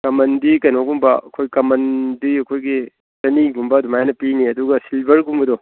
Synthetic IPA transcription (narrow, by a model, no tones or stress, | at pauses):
kɐmɐndikɐjnoɡumbɐɐkʰojkɐmɐndiɐkʰojɡi | tɐniɡumbɐdumajnɐpiniɐduɡɐsilbɐɾɡumbɐdɔ